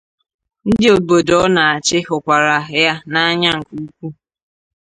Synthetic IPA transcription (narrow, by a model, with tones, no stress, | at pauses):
n̩˦dɪ˦o˨bo˨dɔ˦na˨a˨t͡ʃɪ˦ɦʊ˨kʷa˨ɾa˨ɦja˦na˦a˦ɲa˦ŋ̩˨ku˦kʷu˦